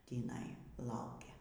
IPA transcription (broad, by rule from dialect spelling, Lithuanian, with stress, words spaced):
tʲiːˈnɐɪ ˈlˠɐʊkʲɛ